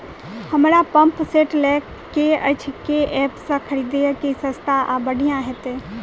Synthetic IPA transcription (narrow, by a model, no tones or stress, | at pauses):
həmɾapə̃mpseːʈlɛːkːeət͡ʃʰkeɛːpsãkʰəɾid̪ejəkisə̃st̪ʰaʔabəɽʱijãɦɛt̪e